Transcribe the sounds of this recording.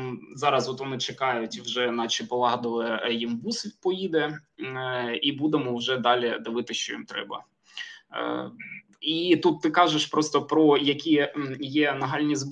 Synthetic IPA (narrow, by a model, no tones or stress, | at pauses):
zɑɾɐsɔt̪ʋɔnɪt͡ʃekɑjʊtʲiwʒɛnɑt͡ʃɪpɔlˠɑɦd̪ɔʋˠɪjimbusʲpɔjid̪ɛ | ibud̪emɔwʒɛd̪ɑlʲid̪ɪʋɪt̪ɪʃt͡ʃɔjḭmt̪ɾɛ̰bɐ̰ | it̪ut̪ːɪkɑʒeʃpɾɔst̪ɔpɾɔjɐkʲijɛnɐɦɑlʲnʲizb